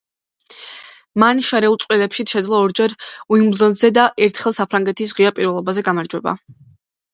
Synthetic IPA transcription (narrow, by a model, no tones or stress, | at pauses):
manʃaɾɛulˠt̪sʼwilɛpʃit̪ʃɛd̪zlˠɔːɾd͡ʒɛɾuimzɔnzɛd̪aʔɛɾt̪ʰχɛlˠsapʰɾaŋɡɛt̪ʰis̬ʁiapʼiɾvɛlˠɔbazɛɡamaɾd͡ʒwɛba̰